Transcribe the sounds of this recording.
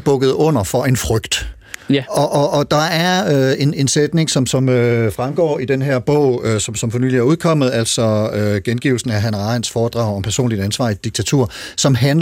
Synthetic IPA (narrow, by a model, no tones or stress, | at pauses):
b̥ɔ̽ɡ̥ð̞̩ˠɔ̽n̰ɐfɒ̽e̝nfʁœɡ̥d̥ | ɒ̽ʔɒ̽ʔːd̥ɑ̈æɐøe̝ne̝nsed̥ne̝ŋsɒ̽msɒ̽møfʁamɡ̥ɒ̰ːid̥enɦæɐ̰b̥ɔ̽ʊ̰sɒ̽msɒ̽mfɒ̽ny̰ːliæɐuð̞ˠkʰɒ̽m̰ð̩ˠæl̰sɒ̽øɡ̥enɡ̥iʊl̩sn̩æɦænɑ̈nsfɒːd̥ʁɑ̈ʊ̰ɒ̽mpʰæɐso̝̰ːnlid̥ænsʋɑ̰̈ːid̥iɡ̥̚t͡sʰæt͡sʰuɐ̰sɒ̽mɦæn